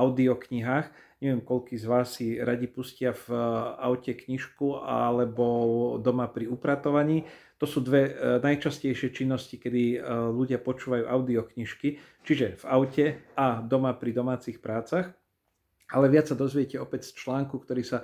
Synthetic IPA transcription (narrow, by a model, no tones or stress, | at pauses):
aʊd̪iɔkɲiɦaːx | ɲɛʋɪɛmkɔʎkiːzʋaːsːiɾaɟipuscɪavaʊcɛkɲiʃkua̰lɛbɔd̪ɔmapɾiupɾat̪ɔʋaɲiː | t̪ɔsuːd̪ʋɛnajt͡ʃascɛjʃɪɛt͡ʃinːɔscikɛd̪iʎuɟɪapɔt͡ʃuːʋajṵːʔaʊd̪iɔkɲiʃki | t͡ʃiʒɛvaʊcɛad̪ɔmapɾid̪ɔmaːt͡sixpɾaːt͡sax | alɛʋɪat͡sːad̪ɔzʋɪɛcɛɔpɛcst͡ʃlaːŋkukt̪ɔɾiːsa